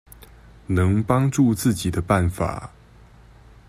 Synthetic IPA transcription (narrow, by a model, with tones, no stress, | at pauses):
nɤ˧˦˥ŋpɑ˥ŋʈ͡ʂu˥˧t͡sɹ̩˥˩t͡ɕi˨˩d̪ə˦pa˥˩nfa̰˨˩˦